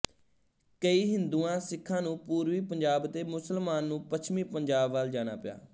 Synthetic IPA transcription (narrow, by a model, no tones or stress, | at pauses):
kəiːɦɪnd̪uːãːsɪkʰːãːnũːpuːɾʋiːpəɲd͡ʒaːbt̪eːmʊsəlmaːnːũːpət͡ʃʰmiːpəɲd͡ʒaːbʋaːld͡ʒaːña̰ːpɪja̰ː